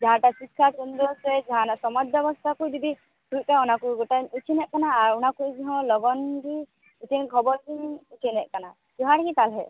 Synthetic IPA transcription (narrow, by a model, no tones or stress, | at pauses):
d͡ʒaɦãʈasikʰːat͡ʃɔnd̪ɾɔsɛd͡ʒaɦãnasɔmɔdbjɔbɔst̪ʰakujd̪ibi | tujkaɔnakujɡɔʈanut͡ʃʰinɛʔkanaːɹɔnakujd͡ʒiɦɔ̃lɔɡɔndi | ut͡ʃʰinkʰɔbɔɾdiut͡ʃʰinɛʔkana | d͡ʒɔɦãɾkit̪alɦɛ